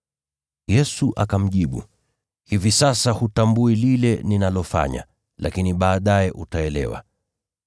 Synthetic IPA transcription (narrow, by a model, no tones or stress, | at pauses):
jɛsuʔakam̩ʄiɓṵ | hivisasahutambuililɛninalɔfa̰ɲa̰ | lʔakiniɓaːɗajɛʔutaɛlɛ̰wa̰